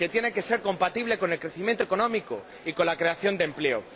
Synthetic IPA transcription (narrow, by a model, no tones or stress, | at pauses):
ke̞t̪je̞ne̞ke̞se̞ɾko̞mpat̪iβ̞le̞ko̞ne̞lkɾeθimjent̪oekonõ̞miko | iko̞nlakɾe̞aθjo̞nd̪emple̞o̰